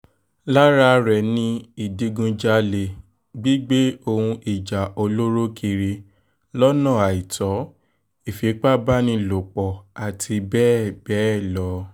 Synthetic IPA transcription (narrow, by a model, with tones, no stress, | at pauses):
la˦ɾa˧ɾɛ˨nĩ˦i˦˨di˧ɡũ˧d͡ʒa˦le˧ | ɡ͡bi˦ɡ͡be˦o˧hũ˧ʔi˨d͡ʒa˨o˧lo˦ɾo˦kʰi˧ɾi˧ | lɔ˦nã˦˨a˨i˨tɔ˨˦ | i˨fi˨˦k͡pa˦ba˦nĩ˧lo˨k͡pɔ˨a˨tʰi˧bɛ˦˨bɛ˦˨lɔ˨˦